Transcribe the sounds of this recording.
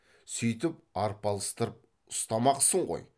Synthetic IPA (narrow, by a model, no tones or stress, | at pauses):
sʏjt̪ɪp̚ɑɾpɑlˠə̥st̪əɾəp̚ | ʊ̥st̪ɑmɑqsəɴʁo̞̰j